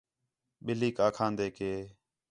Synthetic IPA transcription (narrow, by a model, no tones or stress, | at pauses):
ɓɪliːkaːkʰãːnd̪eːkeː